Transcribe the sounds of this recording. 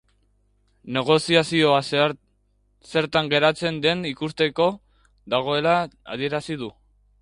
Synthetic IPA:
ne̞ɣ̞o̞siasio̞a | se̞ɾt̪aŋɡe̞ɾat͡se̞nd̪e̞nikust̪e̞ko̞ | ðaɣ̞o̞e̞la̰ːðie̞ɾasið̞u

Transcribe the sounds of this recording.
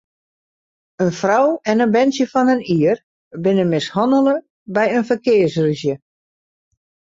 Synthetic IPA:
ənfrɔwɛnənbɛnsjəfɔnəniər | bɪnəmɪshɔndəlˠə | bɛjənfərkɪːərsryzjə

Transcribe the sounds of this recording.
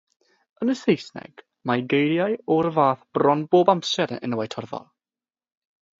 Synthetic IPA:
ənəsejsnɛ̰ɡ̥ | maɡejljajɔɾəvaːθb̥rɔnboːbampsɛɾə̰nəwajtʰɔrðɔ̰lˠ

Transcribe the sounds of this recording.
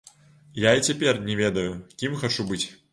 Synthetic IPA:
jait͡sʲapʲɛrnʲɛvʲɛd̪ɐjukʲimxat͡ʂubɨt͡sʲ

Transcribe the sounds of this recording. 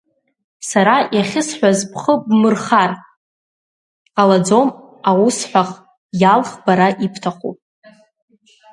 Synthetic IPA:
saɾajaχʲɪsħʷᶣazpʰχəbmɨrχar | qʼalad͡zom | awusħʷᶣaχ | jalχbaɾaʔipʰtʰaχṵpʼ

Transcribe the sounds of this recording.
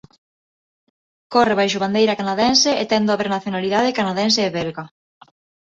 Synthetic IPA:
kɔreβajʃʊβand̪ejɾɐkanaðɛnseʔet̪ɛnd̪oaβeɾnaθjonaliðað̞ekanaðɛns̬eːβɛlɣa

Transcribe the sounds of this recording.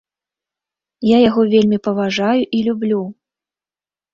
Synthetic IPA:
jajaɣɔvʲelʲmʲipɐvaʐajuʔilʲublʲu

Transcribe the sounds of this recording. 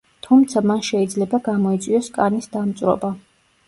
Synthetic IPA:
t̪ʰumt̪sʰamanʃɛid̪zlɛbaɡamɔit̪sʼwiɔskʼanisd̪amt̪sʼɾɔ̰ba

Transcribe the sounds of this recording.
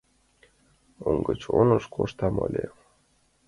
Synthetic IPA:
oŋɡɤt͡ɕonɤʃkʰoʃt̪ɑmolʲe

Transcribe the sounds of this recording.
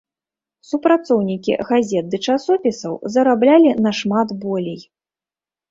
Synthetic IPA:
supɾat̪sɔwnʲikʲḭɣazʲɛt̪̚d̪ɨt͡ʂasɔpʲisɐwzɐɾablʲalʲinɐʂmat̪bɔlʲej

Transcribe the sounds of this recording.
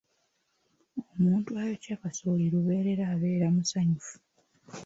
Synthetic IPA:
omuːntuajo̞cakasoːliɾuβe̞ːɾe̞ɾaːβe̞ːɾamusaɲufu̥

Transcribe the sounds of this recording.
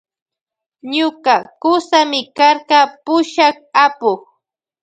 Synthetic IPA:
ɲʊkakʊsamɪkaɾɢɑpʊʃak̚apʊχ

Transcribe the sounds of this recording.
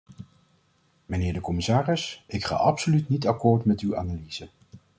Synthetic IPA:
mənɪːɹdəkɔmɪsaːrɪsɪkχa̰ːʔɑpsolytnitɑkʊːɹtmɛtywa̰ːnalizə

